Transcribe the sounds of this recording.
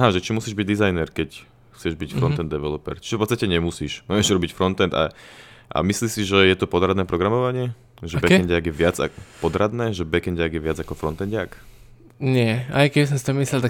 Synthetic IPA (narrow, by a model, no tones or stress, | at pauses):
aɦaʒɛt͡ʃimusiːʒbiɟ̚d̪izajnɛɾkɛc | xt͡sɪɛʒbicfɾɔnt̪ɛnd̪ɛʋɛlɔpɛ̰ɾt͡ʃiʒɛfpɔt̪t͡sst̪acɛɲɛmusiːʃmɔjɛʒɾɔbicfɾɔnt̪ɛnd̪a̰ | ʔa̰misliːsiʒɛjɛt̪ɔpɔd̪ɾad̪nɛːpɾɔɡɾamɔʋaɲɪɛ | ʒɛbɛkɛɲɟɪaɡjɛʋɪad͡za̰pɔd̪ɾad̪nɛːʒɛbɛkɛnɟɪaɡjɛʋɪad͡zakɔfɾɔnt̪ɛɲɟɪak | ɲɪɛajkɛbis̬ɔmst̪ɔmislɛlt̪a